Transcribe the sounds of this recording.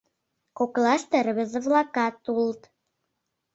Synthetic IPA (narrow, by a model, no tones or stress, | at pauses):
koklɑʃt̪ĕɾəβĕzə̆βlɑkɑt̪ult̪